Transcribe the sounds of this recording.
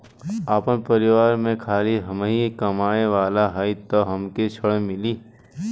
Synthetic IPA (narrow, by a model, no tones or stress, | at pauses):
aːpənpəɾɪʋaːɾmẽkʰaːliɦɐmeɦikɐmaːeʋaːlaɦaːit̪oɦɐmket͡ʃʰəɽmɪliː